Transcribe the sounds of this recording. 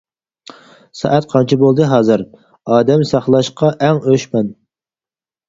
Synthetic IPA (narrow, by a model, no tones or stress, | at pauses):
sɑ̰ʔæt̪qʰɑnt͡ʃʰibolˠd̪ɨɦɑːzɨɾ | ɑːd̪ɛmsɑχlˠɑʃqɑʔɛŋøʃmɛn